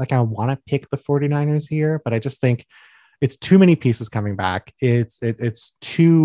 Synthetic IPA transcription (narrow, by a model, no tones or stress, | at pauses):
laɪkaɪwɑ̃nɨpʰɪk̚ðəfɔɹɾinãɪ̃nɪɹz̥hiɹb̥ʌɾaɪd͡ʒʌst̪̚θɪ̃ŋk | ɨtstʰʉmɛnipʰisɨz̥kʰʌmɪ̃ŋbæ̰kɪtsɪɾɪtstʰʉ